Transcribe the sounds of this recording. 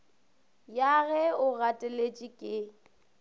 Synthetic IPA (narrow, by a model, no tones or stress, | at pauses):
jaɣɛʊɣatʼɪlet͡ʃʼikʼɪ